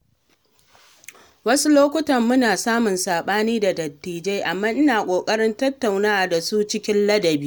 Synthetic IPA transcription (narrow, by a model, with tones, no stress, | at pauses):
wɐ˦su˦loː˦kʷʊ˦tɐ˨mːʊ˦naː˨saː˦mʊ˨nsaː˨ɓaː˦niː˦da˨dɐ˨tːiː˨d͡ʒe˦jʔa˨mːaː˦ʔɪ˦naː˨kʷʼoː˨kʼɐ˦ɽɪ˦ntɐ˦tːa˨wnaː˦ʔa˨da˨su˦t͡ʃɪ˦kʲɪ˦nlɐ˦dɐ˨biː˦